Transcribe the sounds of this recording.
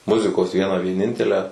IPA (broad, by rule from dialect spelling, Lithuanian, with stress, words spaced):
ˈmʊzʲɪkoːs ˈʋʲiɛnɑː ʋʲiɛˈnʲɪnʲtʲɛlʲæː